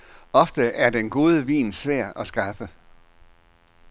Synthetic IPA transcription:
ʔɒ̽fd̥əʔæɐd̥enɡ̥o̝ːð̞ˠəʋḭːnsʋæɐ̰̥ɒ̽sɡ̥ɑ̈fə

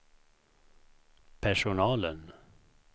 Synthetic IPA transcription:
pʰæʂʊnɑːlən

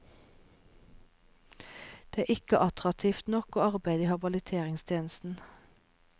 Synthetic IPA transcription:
d̪̥eːæːɪkəʔɑt̪ʁɑt̪ʰiːft̪nɔkoːɑʁbæɪd̪iːhɑbɑlət̪ʰeːʁɪŋst̪ʰjeːnəst̪n̩

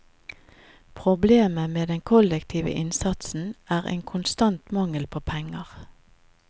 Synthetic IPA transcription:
pʰʁʊbleːməmeːd̪ɛŋkʰɔlɛkt̪ʰiːʋə̰ʔɪnsɑt̪sn̩æːʁḛːŋkʰʊnst̪ɑnt̪mɑŋəlpʰoːpʰɛŋəʁ

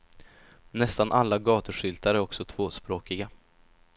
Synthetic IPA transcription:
nɛst̪anʔalːaɡɑːt̪əʂʏlt̪aɾæɾɔksɔt̪ʰv̥oːspɾoːkɪɡa

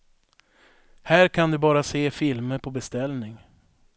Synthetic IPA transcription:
hæːɾkʰand̪ɵbɑːɾaseːfɪlməɾpʰɔbɛst̪ɛlnɪŋ

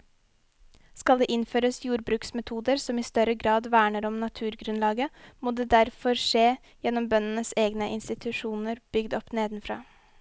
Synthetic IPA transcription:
skɑld̪eːʔɪnføːɾəsjuːɾbɾʉːksmɛt̪ʰuːd̪əɾsɔmiːst̪œɾəɡɾɑːd̪ʋæːɳəɾɔmnɑt̪ʰʉːɾɡɾʉnlɑːɡəmoːd̪eːd̪æɾfɔɾʂeː | jɛnɔmbœnən̩əseːɡnəʔɪnst̪ɪt̪ʰʉʂuːnəɾb̥ʏɡd̪ɔpneːd̪nfɾɑ̰ː

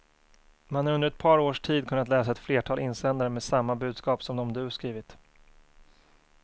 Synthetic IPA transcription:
manhaɾɵnd̪əɾɛt̪̚pʰɑːɾoːʂʈʰiːd̪̚kʰɵnːat̪lɛːsaɛt̪fleːʈʰɑːlʔɪnːsɛnd̪aɾəmeːsamːabʉ̟ːd̪skɑːpsɔmd̪ɔmd̪ɵskɾiːvɪt̪

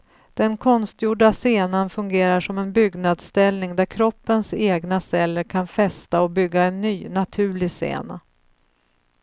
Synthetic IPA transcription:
d̪̥ɛnkʰɔnst̪juːɖaseːnanfɵŋɡeːɾaʂɔmɛnbʏɡnad̪st̪ɛlnɪŋd̪æɾkʰɾɔpːənseːɡnasɛlːəɾkʰanfɛst̪aɔbʏɡːaɛnːyːnat̪ʰʉ̟ːɭɪsḛːna̰

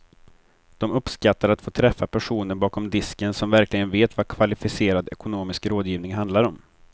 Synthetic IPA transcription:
d̪̥ɔmɵpskat̪ːaɾat̪foːt̪ʰɾɛfːapʰæʂuːnəɾbɑːkɔmd̪ɪskənsɔmvæɾklɪɡənveːt̪vakʰvalɪfɪseːɾad̪ɛkʊnoːmɪskɾoːd̪jiːvnɪŋɦand̪laɾɔm

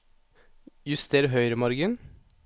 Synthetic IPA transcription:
jʉst̪ʰeːɾɦœʏɾəmɔɾɡən

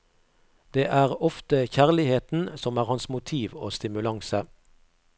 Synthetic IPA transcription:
d̪̥eːʔæːʁɔft̪əçæːʁlɪheːt̪n̩sɔmæːʁhɑnsmʊt̪ʰiːʋoːst̪ɪmʉlɑŋsə

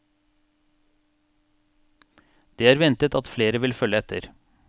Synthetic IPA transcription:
d̪̥eːæːɾʋɛnt̪ət̪ʰɑt̪fleːɾəʋɪlfœləɛt̪ʰə̰ɾ

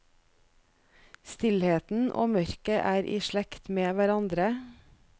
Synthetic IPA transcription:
st̪ɪlheːt̪n̩ʔo̰ːmœɾkəʔæːɾʔḭːʃɭɛkt̪meːʋæɾɑnd̪ɾə

